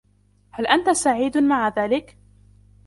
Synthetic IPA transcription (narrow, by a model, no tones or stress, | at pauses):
halʔant̪asaʕiːd̪maʕaðaːlɪk